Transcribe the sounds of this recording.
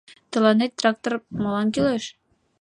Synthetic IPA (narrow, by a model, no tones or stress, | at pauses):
t̪ɤ̆lˠɑnet̪̚ːrɑk̚t̪ormɑlˠɑnkeleʃ